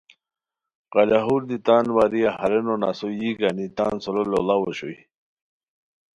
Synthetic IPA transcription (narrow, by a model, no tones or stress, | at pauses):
qɑlaɦuɾd̪it̪aːnwaɾijahɐɾenona̰sojiɡanit̪a̰ːnsolololawoɕoj